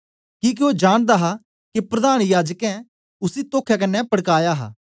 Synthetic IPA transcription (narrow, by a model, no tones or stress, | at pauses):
kiːk̬ioːd͡ʒaːɽ̃d̪aɦa | kipɾɐd̪aːɽ̃jaːd͡ʒəkɛ̃ | ʊsit̪oːkʰːjak̬ɐnːɛpɐɽkaːjaɦa̰ː